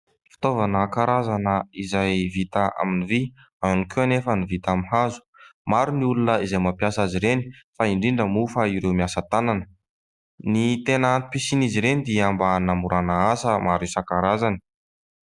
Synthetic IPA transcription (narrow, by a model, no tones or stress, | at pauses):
fi̥t̪ovanəkaɾazanəizajvit̪aa̰minivi | anikʰuanefənivit̪aminɦazu̥maɾuniulunəizajmapjasaziɾenifaiɳɖ͡ʐiɳɖ͡ʐəmufaiɾewmiasət̪ananə | nit̪enaant̪i̥pisiniziɾenid̪iambanamuɾanaasəmaɾesakaɾazanə̥